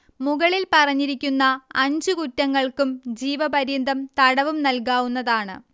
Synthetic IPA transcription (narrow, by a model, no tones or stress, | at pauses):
muɣɐɭilpɐrɐɲːiɾikʲːunːɐːɲd͡ʑukutːɐŋːɐɭkumd͡ʑiːʋɐbɐɾind̪ʱɐmt̪ɐɽɐʋumnɐlkaːʋunːɐðaːɳɨ̰